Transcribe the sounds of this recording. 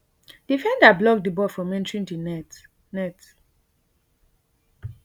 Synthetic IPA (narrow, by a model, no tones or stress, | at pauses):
d̥ifɛ̃ndablɔk̚dibɔfɹɔ̃mɛ̃ntɹĩntunɛt | nɛt